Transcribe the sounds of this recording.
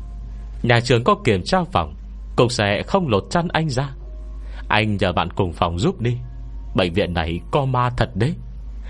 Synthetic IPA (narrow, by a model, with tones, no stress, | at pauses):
ɲaː˨˩t͡ɕɨ˨˩əŋkɔ˨˦ki˨˩əmt͡ɕaː˧wfa˨˩wŋ͡m | kʊ̰˨˩ŋ͡m̚sɛ˧˩ɛ̰˧˨xə˧wŋ͡mlo˨˩t̚t͡ɕa˧nʔa˧jŋ̟zaː˧ | ʔa˧jŋ̟ɲəː˨˩ɓa̰ː˧˨nkʊ˨˩ŋ͡mfa˨˩wŋ͡mzu˦˥p̚ɗi˧ | ɓə̰˧˨ŋvḭ˧˨ənːa˨˩jkɔ˧maː˧t̪ʰə˨˩t̚ɗe˧˦